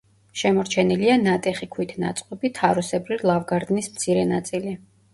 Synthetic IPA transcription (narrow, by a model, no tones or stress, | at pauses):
ʃɛmɔɾt͡ʃʰɛnilianat̪ʼɛχikʰwit̪ʰna̰t̪sʼqʼɔbit̪ʰaɾɔsɛbɾivlˠavɡaɾd̪nismt̪sʰiɾɛnat̪sʼili